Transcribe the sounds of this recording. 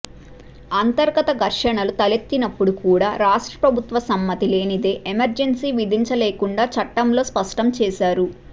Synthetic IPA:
aːnt̪ɐɾɡɐt̪ɐɡʱɐɾʂɐɳɐlut̪ɐlet̪ːinɐpːuɽukuːɽaːɾaːʂʈɾɐ̥pɾɐbʱut̪ʋɐsɐmːɐt̪ile̞ːnid̪e̞ːʔemɐɾd͡ʒensiːʋid̪ʱiɲt͡ʃɐleːkuɳɖaːt͡ʃɐʈːɐmlo̞ːspɐʂʈɐmt͡ʃɛːsaːɾu

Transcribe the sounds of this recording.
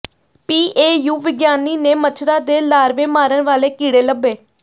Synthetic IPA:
piːʔeːjuːʋɪɡjaːniːneːmət͡ʃʰɾaːd̪eːlaːɾʋeːmaːɾənʋaːleːkiːɽeːləbːeː

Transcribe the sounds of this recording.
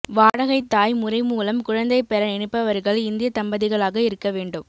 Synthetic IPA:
ʋaːɽɐɣɐɪt̪ːaːjmʊrɐɪmuːlɐmkʊɻɐnd̪ɐɪpːɛɾɐnɛɳɪpːɐʋɐɾɣɐɭɪnd̪ɪjɐsɐmbɐðɪɣɐɭaːɣɐɪɾɯkːɐʋeːɳɖɯm

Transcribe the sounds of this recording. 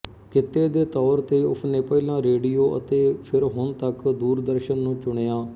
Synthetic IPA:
kɪt̪ːeːd̪eːt̪ɔːɾt̪eːʊ̰pʰnẽːpəilãːɾeːɖijoːʔə̰t̪eːpʰɪɾɦʊɳt̪əkd̪uːɾd̪əɾʃənːũːt͡ʃʊɳ̃eːãː

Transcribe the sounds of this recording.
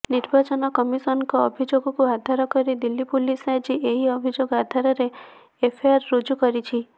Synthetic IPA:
niɾbʱat͡ʃɔnɔkɔmisɔnɔkɔːbʱid͡ʒoɡɔkuɦad̪ʱaɾɔkɔɾid̪ilːipulisajd͡ʒiʔeɦiɔbʱid͡ʒoɡɔɦad̪ʱaɾɔɾeː | pʰeaɾːud͡ʒukɔɾit͡ʃʰi

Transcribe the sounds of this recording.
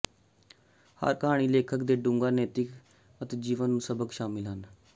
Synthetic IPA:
hə̰ɾkəɦaːɽ̃iːleːkʰəkd̪eːɖʊ̃ŋɡaːnɛːt̪ɪk | ət̪eːd͡ʒiːʋənːũsəbəkʃaːmɪlɦən

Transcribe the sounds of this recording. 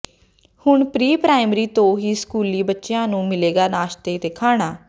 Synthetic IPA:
hʊɳpɾiːpɾaːɪmɾiːt̪õːɦiːskuːliːbətːʃjãːnũːmɪleːɡaːnaːʃt̪eːt̪eːkʰaːɽ̃aː

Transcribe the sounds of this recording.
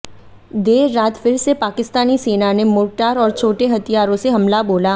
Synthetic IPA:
d̪eːɾːaːt̪fɪɾsepaːkɪst̪aːniseːnanemʊːɾʈaːɾɔːɾt͡ʃʰoːʈeɦɐt̪ijaːɾõseɦɐmlaboːla

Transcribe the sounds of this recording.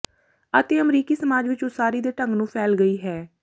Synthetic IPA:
ət̪eːəmɾiːkiːsəmaːd͡ʒʋɪt͡ʃʊsaːɾiːd̪eːʈə̃ŋɡnũːpʰɛːlɡəiːɦɛː

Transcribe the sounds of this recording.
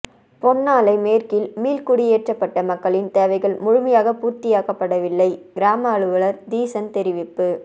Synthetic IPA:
pɔɳːaːlɐɪmeːɾkɪlmiːlkʊɽɪjeːʈrɐpːɐʈːɐmɐkːɐɭɪnt̪eːʋɐɪɣɐɭmʊɻɯmɐjaːɣɐpuːɾt̪ɪjaːkɐpːɐɽɐʋɪlːɐɪɡɪɾaːmɐːɻɯʋɐɭɐɾd̪iːsɐnt̪ɛɾɪʋɪpːɯ

